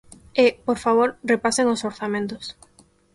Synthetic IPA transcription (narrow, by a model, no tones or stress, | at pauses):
ɪpoɾfaβ̞oɾrepaseŋosoɾθamẽnt̪ʊs